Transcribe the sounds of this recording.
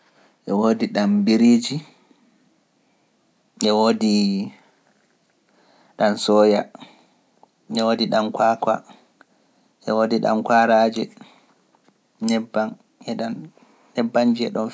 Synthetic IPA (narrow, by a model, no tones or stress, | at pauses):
ʔɛwodiɗambiɾid͡ʒi | ʔɛwodi | ɗansɔja | ʔɛwodiɗamkwakwa̰ | ʔɛwodiɗa̰mkwaɾaːd͡ʒɛ | nɛbːan | ʔɛɗanː | ɛbːand͡ʒiɛ̰ɗɔn